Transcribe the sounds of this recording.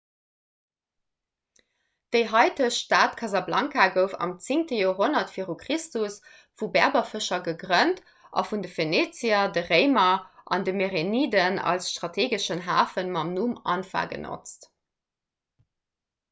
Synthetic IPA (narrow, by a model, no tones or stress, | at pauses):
d̥əɪɦɑɪtəʃtaːtkʰɑzɑblɑŋkaɡəʊfɑ̰mt͡siŋtəjoːɦonɐtfiːʁukʁ̥istus | fubɛɐbɐfəʃɐɡəɡʀənt | ʔɑ̰fundəfeneːt͡siɐdəʁeɪmɐʔɑ̰ndəmeʁeniːdənɑ̰lsʃtʁ̥ɑtʰeːɡəʃənɦaːfənmɑmnumɑ̰nfa̰ːɡə̰no̰t͡st